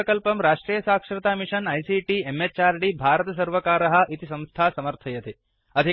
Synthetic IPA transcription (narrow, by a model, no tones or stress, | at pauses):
ɐkɐlpɐmɾaːʂʈɾiːjɐsaːkʂɾɐt̪aːmiʂɐnɐjsiːʈiemet͡ʃaːɾɖibʱaːɾɐt̪ɐs̬ɐɾʋɐkaːɾɐɦɐ̆ʔit̪isɐ̃mst̪ʰaːsɐmɐɾt̪ʰɐjɐt̪i | ɐd̪ʱi